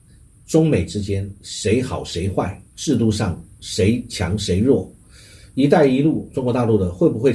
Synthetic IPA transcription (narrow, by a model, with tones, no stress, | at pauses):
ʈ͡ʂʊ˥ŋme˨˩ɪʈ͡ʂɻ̩˥t͡ɕjɛ˥nʂe˧˥ɪxɑ˨˩ʊʂe˧˥ɪxwa˥˩ɪʈ͡ʂɻ̩˥˧t̪u˥˧ʂɑ˥˩ŋʂe˧˥ɪt͡ɕʰjɑ̰˧˥ŋʂe˧˥ɪɻwɔ˥˩ | i˧˥t̪a˥˩ɪi˧˥lu˥˩ʈ͡ʂʊ˥ŋkwɔ˧˥t̪a˥˧lu˥˩d̪ə˩xwe˥˩ɪpu˨˩xwe˥˧ɪ